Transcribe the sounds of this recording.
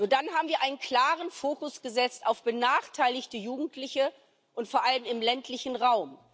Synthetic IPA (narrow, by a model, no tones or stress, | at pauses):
nuːɐdanɦaːbm̩viːɐʔaɪnənkʰl̥aːʁənfoːkʊsɡ̥əzɛt͡staʊfb̥ənaːχtʰaɪlɪçtəjuːɡŋ̩tʰlɪçə | ʔʊntfoːɐʔaləmɪmlɛntʰlɪçn̩ʁaʊm